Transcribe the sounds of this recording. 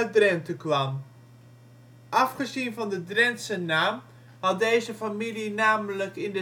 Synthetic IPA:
ədrɛntəkʋɑm | ʔɑfχəzinvɑndədrɛntsənaːm | hɑt̚dejzəfamilinaːmələkɪndə

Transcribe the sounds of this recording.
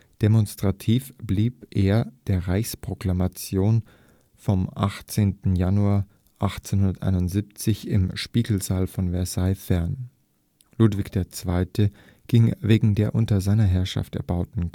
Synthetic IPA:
d̥emɔnstʁ̥atʰiːfb̥liːpʔeːɐd̥eːɐʁaɪçspʁ̥oklamat͡sjoːn | fɔmʔa̰χt͡seːntn̩januaːɐ | ʔaχt͡senhʊndɐtʔa̰ɪnʊntziːp̚t͡sɪçɪ̰mʃpiːɡl̩zaːlfɔnvɛɐsaɪfɛɐn | luːtv̥ɪçd̥eːɐt͡sv̥aɪtʰə | ɡ̥ɪŋveːɡŋ̩deːɐʔʊntɐzaɪnɐɦɛɐʃa̰ftɛ̰ɐbaʊtn̩

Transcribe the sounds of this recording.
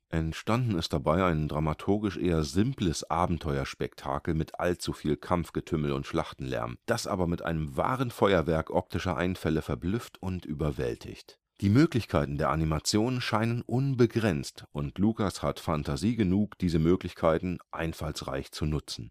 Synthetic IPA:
ʔɛntʃtandn̩ɪst̚d̥abaɪaɪndʁamatʰʊɐɡɪʃʔeːɐzɪmpləsʔaːbm̩tʰɔʏɐʃpɛktʰa̰ːkl̩mɪtʰʔa̰lt͡sufiːlkʰamfɡ̥ətʰʏml̩ʊ̰ntʃlaχtn̩lɛ̰ɐmd̥asʔa̰ːbɐmɪtʔa̰ɪnəmva̰ːʁənfɔʏɐvɛɐkʔɔp̚tʰɪʃɐʔa̰ɪnfɛləfɛɐblʏftʊntʔyːbɐvɛ̰ltʰɪ̰çt | d̥iːmøːklɪçkʰaɪtn̩deːɐʔanimat͡sjoːnənʃaɪnənʔʊnbəɡʁɛnt͡stʔʊntʰluːkashatfantʰaziːɡənuːkd̥iːzəmøːklɪçkʰaɪtn̩ʔaɪnfalsʁa̰ɪçt͡sunʊt͡sn̩

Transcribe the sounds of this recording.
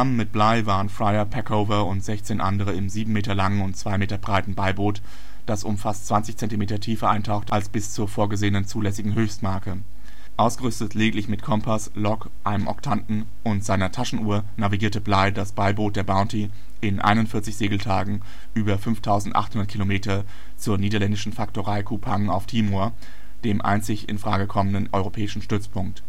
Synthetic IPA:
amənmɪt̚b̥laɪvaːʁənfʁ̥aɪɐpʰɛkʰoʊvɐʊntz̥ɛçt͡seːnʔa̰ndəʁ̞əɪmziːbm̩meːtɐlaŋənʊntt͡sv̥aɪmeːtɐbʁaɪtn̩baɪboːt | d̥asʔʊmfastt͡sv̥ant͡sɪçt͡sɛntimeːtɐtʰiːfɐʔaɪntʰaʊxtalsb̥ɪst͡suːɐfoːɐɡəzeːənənt͡suːlɛsɪɡŋ̩ɦøːçstmaɐkə | ʔaʊsɡ̥əʁʏstətleːɡɪŋtlɪçmɪtkʰɔmpʰaslɔk | ʔaɪnəmʔɔ̰ɐktʰantn̩ | ʔʊntz̥aɪnɐtʰaʃn̩ʔuːɐ | naviɡiːɐtəblaɪdasb̥aɪboːt̚d̥eːɐbaʊnti | ʔɪnʔa̰ɪnʊntfɪɐt͡sɪçz̥eːɡl̩tʰaːɡŋ̩ | ʔyːbɐfʏnftʰaʊzn̩tʔa̰χthʊndɐtkʰilomeːtɐ | t͡suːɐniːdɐlɛndɪʃn̩fak̚toʁaɪkʰupʰaŋaʊftʰiːmoɐ | d̥eːmʔa̰ɪnt͡sɪçɪ̰nfʁ̥a̰ːɡəkʰɔmənənʔɔʏʁopʰɛːɪʃn̩ʃtʏt͡spʰʊŋk̚t

